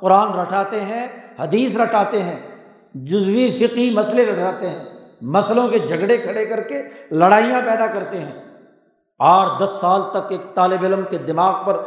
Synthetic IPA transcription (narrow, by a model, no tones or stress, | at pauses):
qʊɾaːnɾɐʈʰaːt̪eɦɛ̃hɐd̪iːs̬ɾɐʈʰaːt̪eɦɛ̃ː | d͡ʒʊzwifɪqɦimɐsleɾɐʈʰaːt̪eɦɛ̃ː | mɐslõked͡ʒʱɐɡɽekʰɐɽekɐɾkelɐɽaːijãpɛːd̪akɐɾt̪eɦɛ̃ː | aːɾʰd̪ɐsːaːlt̪ɐkeːkt̪aːlɪbɪləmked̪ɪmaːɣpɐɾ